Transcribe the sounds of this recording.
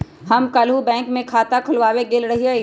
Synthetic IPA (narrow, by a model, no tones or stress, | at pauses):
hɐmkɐlɦubɛ̃ːŋkmẽkʰaːt̪akʰʊlʋaːweɡɪlɾɐɦia